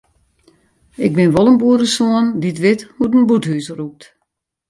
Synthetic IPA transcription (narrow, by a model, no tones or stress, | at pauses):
ɪɡ̚bɪnʋɔlˠənbuəɾəsoənditʋɪthutənbuthysəruk̚t